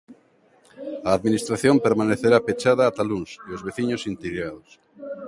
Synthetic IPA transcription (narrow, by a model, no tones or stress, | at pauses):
aːðminist̪ɾaθjompeɾmaneθeɾapet͡ʃaðaːt̪alunsiozβeθiɲosint̪iɣɾaðos